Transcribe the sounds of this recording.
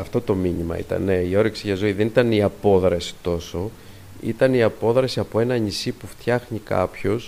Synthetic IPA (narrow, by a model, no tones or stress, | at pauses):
ɐft̪o̞t̪o̞miɲimɐ̰ḭt̪ɐ̰nneio̞ɾiksiʝɐzo̞iðe̞nit̪ɐniɐpo̞ðɾɐsi̥t̪o̞so̞ | ḭt̪ɐniɐpo̞ðɾɐsiɐpo̞e̞nɐɲisipuft̪çɐxɲikɐ̰pço̞s